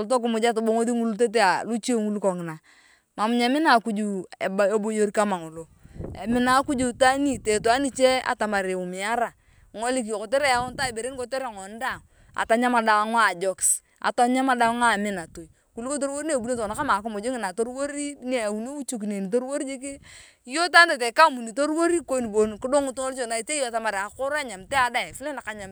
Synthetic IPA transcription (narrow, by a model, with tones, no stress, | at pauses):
to˨lt̬o˦k̬ɪ˨mʊ˨d͡ʒa˦t̬o˨bo˦ŋo˦ði˦ŋu˦lu˦t̬e˦t̬e˦a˨lu˦t͡ʃi˦e˦ŋu˦lu˦ko˨ŋɪ˨na˨ | ma˨mʊ˨˦ɲa˨˦mɪ˦na˨ku˦d͡ʒu˨ḛ˨ba˦e˦bo˦jo˦ɾi˦ka˦ma˨ŋo˨lo˨ | ḛ˨mɪ˦na˨˦ku˦d͡ʒu˨ta˦ni˦˨te˨to˨a˦ni˦t͡ʃe˦a̰˨ta˨ma˨ɾe˨ʊ˨mɪ˨a˦ɾa˨ | ŋo˦li˦k̬i˨ko˨te˦ɾe˦ja˦ʊ˦n˦ta˦e˨be˨ɾe˦n˦ko˦te˦ɾe˨ŋɔ˨˦n˦da˦˨ŋ | a̰˨ta˨ɲa˦ma˨da˨a˨˦ŋa˦˨d͡ʒɔ˨ks | a̰˨ta˦ɲa˦ma˦da˦ŋa˨mɪ˦na˨to˨j | ku˨li˦ko˦t̬o˦ɾwo˦ɾi˦ne˨bu˦ne˦˨to˨na˨ka˦ma˨ko˦mo˨d͡ʒo˦ŋi˨na˨to˦ɾwo˦ɾi˦ne˨wu˨n˦o˦u˦t͡ʃu˦k̬i˨ne˨ni˨to˦ɾu˦wo˦ɾi˦d͡ʒi˦k̬i˦ | jo˦ta˦nte˨te˨ka˦mu˨ni˨to˦ɾwo˦ɾi˦ko˦ni˨bo˨nku˦do˦ŋu˦tu˦ŋo˦lt͡ʃo˨na˨i˨t͡ʃe˦jo˦a˨ta˨ma˨ɾa˨ko˦ɾa˦ɲa˨mte˦a˨da˦˨fi˦le˦na˨ka˨ɲa˨m